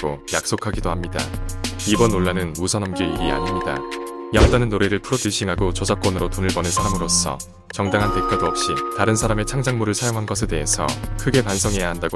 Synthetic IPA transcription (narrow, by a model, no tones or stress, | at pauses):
ojak̚s͈okʰaɡidohamɲida̰ibʌnːoɭːanɯnmusʰʌnʌmɡiiɾia̰ɲimɲida̰jaŋt͈anɯnːoɾeɾɯɭpʰɯɾotɯɕʰiŋɦaɡot͡ɕʌd͡ʑak̚k͈ʌnɯɾotonɯɭbʌnɯnsʰaɾamɯɾos͈ʰʌ̰ | t͡ɕʌŋdaŋɦante̞k͈aɡaʌp̚ɕ͈itaɾɯnsʰaɾame̞t͡ɕʰaŋd͡ʑaŋmuɾɯɭsʰajoŋɦanɡʌsʰe̞de̞ɦesʰʌ̰kʰɯɡe̞pansʰʌŋɦe̞jaɦandaɡo